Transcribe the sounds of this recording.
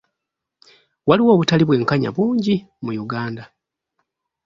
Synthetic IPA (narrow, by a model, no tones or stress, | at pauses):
waliwo̞ːβutaliβwe̞ːŋkaɲa̰βuːɲɟi | mujuɡaːnda